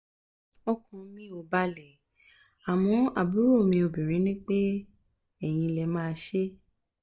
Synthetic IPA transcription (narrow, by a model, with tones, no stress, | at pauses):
ɔ˦kɔ̃˧˦nĩ˦o˧˨ba˦lɛ˨ | a˨w̃ɔ̃˨˧a˨bu˨˦ɾo˦˨mĩ˧o˨bĩ˨ɾ̃ĩ˨˦nĩ˦k͡pe˦ | ɛ˦˨j̃ĩ˧lɛ˧˨mãː˦˧ʃe˦